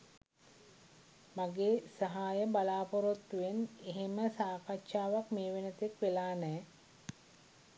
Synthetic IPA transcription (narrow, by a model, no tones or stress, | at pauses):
maɡeːsaɦaːjəbalaːpoɾot̪ːuʋeneɦeməsaːkaʃaːʋakmeːʋenət̪ekʋelaːnɛː